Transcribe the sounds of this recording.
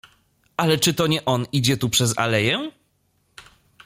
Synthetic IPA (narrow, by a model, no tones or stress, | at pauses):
alɛt͡ʂɘt̪ɔɲɛʔɔnid͡ʑɛt̪upʂɛza̰lɛjɛ